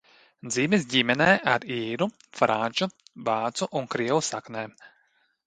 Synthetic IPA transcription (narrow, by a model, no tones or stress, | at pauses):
d̪ziːmes̬ɟimɛnɛːʔaɾiːɾu | fɾʔanʲt͡ʃubaːt̪suʔuŋkɾiɛwusaknɛː